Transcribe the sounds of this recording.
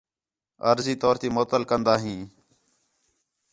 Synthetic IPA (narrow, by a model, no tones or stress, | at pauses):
ə̰ɾziːt̪oːɾt̪iːmoːt̪əlkənd̪aːɦĩː